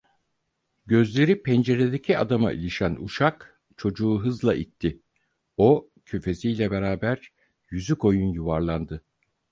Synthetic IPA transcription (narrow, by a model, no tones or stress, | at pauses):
ɟø̞zlʲe̞ɾipʰɛnd͡ʒe̞ɾe̞d̪e̞cʰiad̪ama̰ʔḭlʲiʃænuʃak | t͡ʃʰo̞d͡ʒuːɦɯzlˠaʔit̪ʰːi | o̞ | cʰyfe̞sijlʲɛbe̞ɾaːbæɾ | jyzyko̞junjuvaɾlˠand̪ɯ